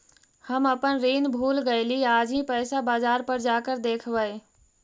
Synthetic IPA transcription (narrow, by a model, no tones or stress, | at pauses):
hɐmɐpənɾiːnbʱuːlɡɐiliaːd͡ʒĩpəːsabaːzaːɾpəɾd͡ʒaːkəɾd̪eːkʰʋəe